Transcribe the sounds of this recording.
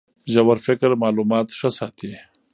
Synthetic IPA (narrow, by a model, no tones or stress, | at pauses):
ʒɐwɐɾfɪkɾmaːlumɑːt̪ʂɐsaːt̪ʰi